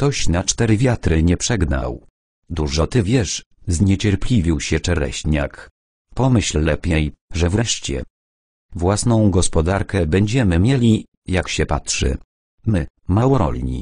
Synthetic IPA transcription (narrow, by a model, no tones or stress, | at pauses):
kt̪ɔɕnat͡ʂt̪ɛɾɘvʲjat̪ɾɘɲɛpʂɛɡna̰w | d̪uʐɔt̪ɘvʲjɛʂ | zɲɛt͡ɕɛɾpʲlʲivʲiwɕɛt͡ʂɛɾɛ̰ɕɲak | pɔmɘɕlːɛpʲjeɛjʐɛvɾɛʂt͡ɕɛ̰ | vwasnɔ̃w̃ɡɔspɔd̪aɾkɛbɛɲd͡ʑɛmɘmʲjɛlʲi | jakɕɛpatʂɘ̰ | mɘ | mawɔɾɔ̰lʲɲḭ